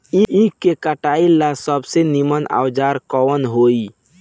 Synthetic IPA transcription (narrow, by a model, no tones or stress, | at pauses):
iʔĩkekəʈailasəbseniməna̰wd͡ʒaɾkɔwənɦoi